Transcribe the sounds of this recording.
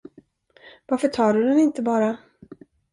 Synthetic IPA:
vaɾfœʈʰɑːɖɵd̪ɛnɪnt̪əbɑːɾa

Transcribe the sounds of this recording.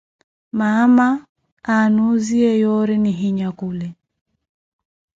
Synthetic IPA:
mama | anuziɛjɔɾɛniɦiɲakulɛ

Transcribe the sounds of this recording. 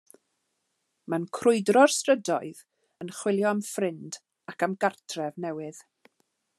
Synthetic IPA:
mankʰrʊɨdrɔrstrədɔɨð | ənχwɪlˠjɔamfrɪnd | akamɡartʰrɛvnɛwɨð

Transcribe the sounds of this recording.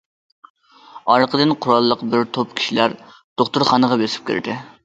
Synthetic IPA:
ɑɾqʰəd̪ɨnqʰʊɾɑlˠːəqbɪɾt̪ʰopkʲʰi̥ʃilæɾ | d̪̥oχt̪uɾχɑnəʁɑbesɪ̥p̚kʲʰḛɾd̪ɪ

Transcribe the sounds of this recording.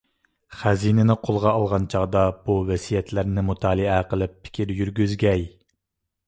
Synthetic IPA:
χæzinɪnɪqʰolˠʁɑɑlˠʁɑnt͡ʃʰɑʁd̪ɑb̥uvɛsijɛt̪ʰlæɾnɪmut̪ʰɑːlˠɨæqəlˠɨpʰːɪ̥kʲʰiɾjyɾɡʲyzɡʲɛj

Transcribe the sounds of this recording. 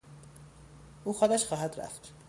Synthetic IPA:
ʔuːxod̪æʃxɒːɦæd̪ɾæ̰ft̪

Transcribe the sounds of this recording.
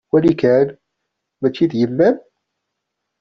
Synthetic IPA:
wælikæn | mæt͡ʃːid̪jəmːæn

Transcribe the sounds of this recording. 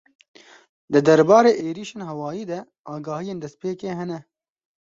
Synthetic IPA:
d̪ɨd̪ɐɾbɑːɾeːʔeːɾiːʃeːnɦɛwɑːjiːd̪ɛ | ʔaːɡaːhijeːnd̪ɛst̪peːkeːɦɛnɛ

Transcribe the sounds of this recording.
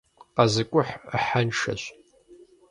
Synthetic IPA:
qazɨkʷʼʊħħanʃɐ̰ɕ

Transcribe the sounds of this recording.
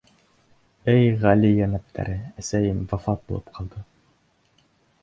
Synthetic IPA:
ɘjʁælijænæp̚t̪ʰæ̰ɾɘæsæjɘmvɑfɑt̪̚bulˠɤ̰p̚qʰɑlˠd̪ɤ

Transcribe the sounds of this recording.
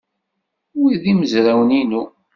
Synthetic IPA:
wiðiməzɾawəninu

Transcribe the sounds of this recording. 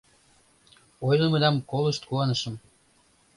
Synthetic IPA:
ojləməd̪ɑmkoləʃt̪kuɑnəʃəm

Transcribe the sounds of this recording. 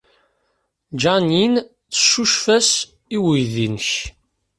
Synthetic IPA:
d͡ʒanjin | θə̥ʃuʃfæs | iwəjðinəç

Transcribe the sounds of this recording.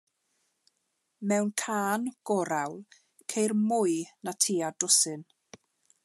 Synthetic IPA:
mɛwnkʰaːnɡ̥ɔɾawlˠ | kʰejrmʊjnatʰiːadʊsɨn

